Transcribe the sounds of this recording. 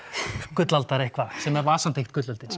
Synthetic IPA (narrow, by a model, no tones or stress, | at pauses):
kʏt̪lalt̪aɾehkvasɛmɛɾvaːsan̥t̪ʰext̪kʏt̪lalt̪ɪ